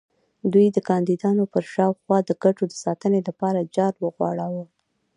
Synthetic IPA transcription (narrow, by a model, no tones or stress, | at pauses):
d̪ujd̪əkɑnd̪id̪ɑnopəɾʃɑwxwɑd̪əɡaʈod̪əsɑt̪ənelapɑɾad͡ʒɑɾwəɣwɑ̰ɽawə